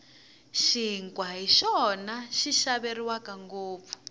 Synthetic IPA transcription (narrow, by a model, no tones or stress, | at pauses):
ʃiŋkwaɦiʃɔnaʃiʃaβeriwakaŋɡoːp̪fu̥